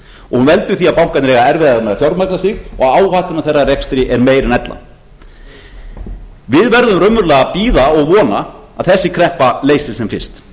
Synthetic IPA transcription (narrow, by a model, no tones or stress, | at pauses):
ɔɣhunvɛlt̪ʏɾ̥θiaðpawŋ̥kat̪nɪɾɛɣaɛɾvɛðaðamɛðafjawɾt̪maknasɪɣɔɣaːwhaːht̪ɪnaθejrːarɛkst̪ɾɪʔɛɾmeːjɾnɛt̪la̰ | vɪðvɛɾðʏmrœmːʏɾlɛːɣapiːðaɔɣvɔːna | aðθɛsːɪkʰɾɛhpaleːjsɪlsɛmfɪn̥st̪